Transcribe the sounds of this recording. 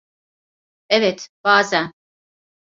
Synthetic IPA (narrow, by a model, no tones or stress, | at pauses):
evɛt̪b̥aːzæn